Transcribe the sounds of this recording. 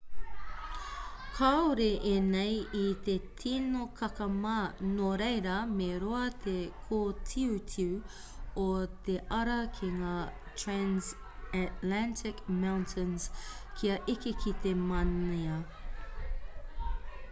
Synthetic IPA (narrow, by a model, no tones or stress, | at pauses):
kʰaoɾeʔenejit̪et̪ʰinokʰɐkɐmanoɾejɾɐmeɾoɐt̪ʰekʰoːtʰiutʰiu | ot̪eʔɐɾɐkʰiŋaː | tʰɹæns | ætlæntʰɪkmawntʰɪnskʰiɐʔikikʰit̪emɐneɐ